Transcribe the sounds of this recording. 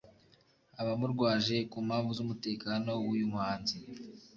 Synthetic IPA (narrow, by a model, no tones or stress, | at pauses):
aβamuɾɡwaːʒe̞kuːmhaːɱvuzumute̞ːkaːno̞wujumhaːnzi